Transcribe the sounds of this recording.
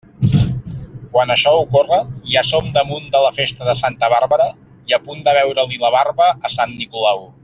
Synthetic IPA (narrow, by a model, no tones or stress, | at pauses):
kwanəʃɔukorəasomd̪əmund̪ələfest̪əðəsant̪əβarβəɾə | iəpund̪əβɛwɾəliləβ̞arβəʔəsanːikulaw